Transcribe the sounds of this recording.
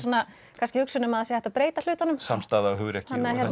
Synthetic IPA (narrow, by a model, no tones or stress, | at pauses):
anːa | kʰanscɪhʏksʏnʏmaðasjɛhɛht̪apɾeːjt̪al̥ʏːt̪anʏmsamst̪aːðawɦʏɣɾɛhcanːahjɛɾ